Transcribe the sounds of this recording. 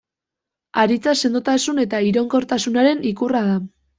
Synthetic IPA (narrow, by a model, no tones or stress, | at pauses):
aɾit͡sase̞nd̪ut̪asune̞t̪aiɾo̞ŋko̞ɾt̪asunaɾe̞nikurað̞a